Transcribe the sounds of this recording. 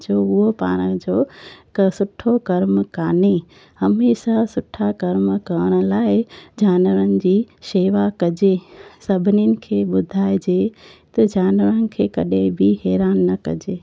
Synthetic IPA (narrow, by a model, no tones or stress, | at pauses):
d͡ʑoʊɦopa̰ːɽ̃əd͡ʑoː | sʊʈʰokɐɾməkaːne | hɐmeːʃasʊʈʰakɐɾməkɐəɽ̃ə̆laːɪd͡ʑaːnʋəɾənɪ̆d͡ʑiːʃeːʋakɐd͡ʑesɐbʱɪninɪ̆kʰeːɓʊd̪ʱaːɪd͡ʑet̪ɐd͡ʑaːnʋəɾənɪ̆kʰeːkɐɗẽbɪɦɛːɾaːnːɐkɐ̰d͡ʑeː